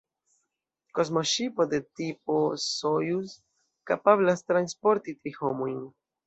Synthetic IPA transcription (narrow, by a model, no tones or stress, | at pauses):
kozmoʃipo̞d̪et̪ip̚osojus | kapablast̪ɾanspoɾt̪it̪ɾihomojn